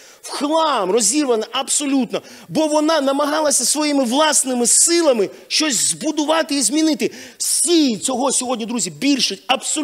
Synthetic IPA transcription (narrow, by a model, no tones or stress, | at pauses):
wxlˠɑmrɔzʲirʋɐnɐʔɐbsɔlʲut̪nɔ | bɔʋɔnɑnɐmɐɦɑlˠɐsʲɐsʋɔjimɪʋlˠɑsnɪmɪsɪlˠɐmɪ | ʃt͡ʃɔsʲzbʊd̪ʊʋɑt̪ɪizmʲinɪt̪ɪsʲijt͡sʲɔɦɔsʲɔɦɔdʲnʲid̪ɾuzʲibʲilʲʃɪɐbsɔ